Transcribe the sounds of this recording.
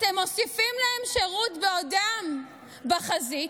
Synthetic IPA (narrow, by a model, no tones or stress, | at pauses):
at̪emo̞sifimlaemʃeʁut̪beodam | baχazit